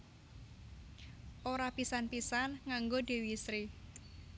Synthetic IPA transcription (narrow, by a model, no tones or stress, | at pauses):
ʔoɾapisanpisanŋaŋɡoɖ̥e̤wisɾi